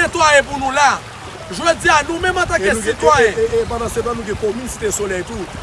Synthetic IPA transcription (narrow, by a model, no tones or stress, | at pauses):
et̪wajep̬unũla | ʒwød͡zianũmɛ̃mat̪akɛsit̪wajeepanãsebanũɡɛ̃kominsi̥t̪esolɛjt̪u